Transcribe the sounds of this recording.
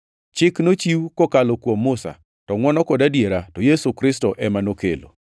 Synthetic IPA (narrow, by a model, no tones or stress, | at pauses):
t͡ʃɪknot͡ʃiwkokalokwomːʊsa̰ | tɔŋwɔnɔkɔdadjeɾatɔjesukɾɪstɔʔɛmanokḛlo̰